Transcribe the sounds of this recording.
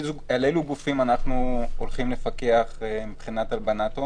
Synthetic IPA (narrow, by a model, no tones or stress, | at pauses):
aleluɡufimanaχnuolχimle̞fake̞aχmibχinat̪albanat̪o